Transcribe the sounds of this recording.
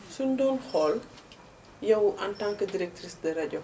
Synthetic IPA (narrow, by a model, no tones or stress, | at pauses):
sundɔnxɔl | jɐwʔɐntaŋkədiɾɛk̚trisdɐɾɐɟɔ